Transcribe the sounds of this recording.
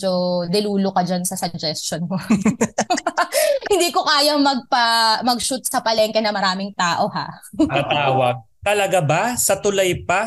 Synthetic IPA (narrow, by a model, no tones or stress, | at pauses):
d͡ʒod̪ɪluːlokɐd͡ʒansɐsɐd͡ʒɛst͡ʃonmo | hɪnd̪iːkokaːjɐŋmɐɡ̚pɐmɐɡ̚ʃut̪̚sɐpɐlɛŋkɛnɐmɐɾaːmɪŋt̪aːʔo̞ha̰ʔɐt̪aːwɐɡ̚ | t̪ɐlɐɡabasɐt̪ʊlɐjpa